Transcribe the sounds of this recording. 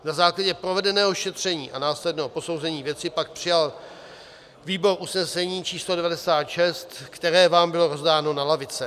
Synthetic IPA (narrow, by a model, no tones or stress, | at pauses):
nazaːklaɟɛpɾovɛdɛnɛːɦo̞ʃɛt̪r̝̥ɛɲḭːʔanaːslɛdnɛːɦopo̞sowzɛɲiːvjɛt͡sɪpak̚pr̥ɪjal | viːbo̞ɾʔusnɛsɛɲiːt͡ʃiːslodɛvadɛsaːt̪ʃɛst̪kt̪ɛɾɛːvaːmbɪlo̞ɾo̞zdaːno̞nalavɪt͡sɛ